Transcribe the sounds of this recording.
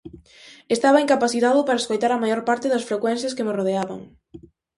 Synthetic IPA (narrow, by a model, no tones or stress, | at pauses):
est̪aβɐeŋkapaθit̪aðʊpaɾɐeskojt̪aɾɐmajoɾpaɾt̪ɪðɐsfɾekwɛnθjɐskemeroð̞eaβɐ̰ŋ